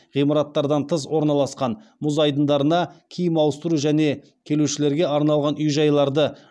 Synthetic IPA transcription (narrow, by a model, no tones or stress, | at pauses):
ʁijmɑɾɑt̪ːɑɾd̪ɑnt̪ʰəs̬wo̞ɾnɑlˠɑsqɑnmʊzɑjd̪ənd̪ɑɾənɑkʲʰejəmɑwəst̪əɾuʒæne̞ | kʲʰe̞luʃɪle̞ɾɡʲe̞ɑɾnɑlˠʁɑnʏjʒɑjlˠɑɾd̪ə